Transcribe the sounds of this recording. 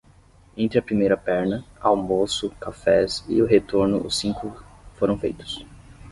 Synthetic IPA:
ẽnt̪ɾɪɐpɾimejɾɐpɛɾnɐawmosʊkafɛzɪ̰ʊɦet̪oɾnʊʊsĩŋkʊfoɾɐ̃w̃fejt̪ʊ̥s

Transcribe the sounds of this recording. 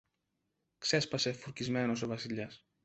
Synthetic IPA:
kse̞spɐse̞fuɾcizme̞no̞s̬o̞vɐsiʎɐs

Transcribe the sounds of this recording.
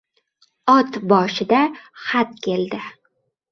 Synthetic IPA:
ɒt̪bɒʃɪd̪aχat̪̚kʲe̞ld̪ɪ

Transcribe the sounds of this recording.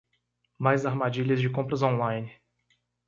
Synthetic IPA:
majzaɾmad͡ʒiʎɐzd͡ʒɪkõmpɾɐzõnlãjnɪ

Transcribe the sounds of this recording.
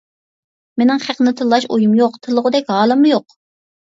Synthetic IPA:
menɪŋχæqnɨt̪ʰɨlˠːɑʃojumjoqt̪ʰɨlˠːəʁʊd̪ɛkʲɦɑːlˠɨmɨjoq

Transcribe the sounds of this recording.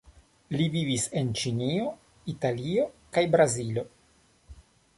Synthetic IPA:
livivise̞nt͡ʃinio̞ | italio̞kajbɾazilo̞

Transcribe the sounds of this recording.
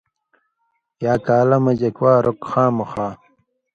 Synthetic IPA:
jaːkaːlɐmɐd͡ʑɐkwaːɾʔokxaːmuxaː

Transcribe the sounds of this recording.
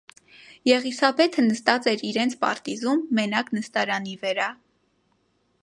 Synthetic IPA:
jɛʁisɑbɛt̪ʰənəst̪ɑt͡sɛɾiɾɛnt͡sʰpɑ̰ɾt̪izumːɛnɑknəst̪ɑɾɑnivəɾɑ

